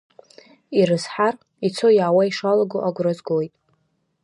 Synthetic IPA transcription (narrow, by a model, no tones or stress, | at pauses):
iɾɨzħar | it͡sʰojʕawaiʂalaɡoʔaɡʷrazɡojtʼ